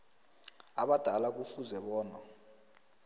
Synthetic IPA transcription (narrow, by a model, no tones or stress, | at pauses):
aɓad̥ʱalak̬ufuzɛɓɔːna